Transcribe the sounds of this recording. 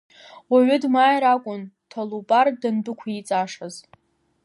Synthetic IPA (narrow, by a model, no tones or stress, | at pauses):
waɥʊdmaːjɾakʷʼʊntʰalubʼardɨnbɨkʷʰait͡sʼaʂaz